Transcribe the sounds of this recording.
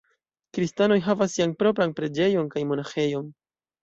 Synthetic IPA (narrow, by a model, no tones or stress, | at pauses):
kɾistano̞jɦavas̬ːianpɾo̞p̬ɾanpɾe̞d͡ʒe̞jo̞nkajmo̞naxe̞jo̞n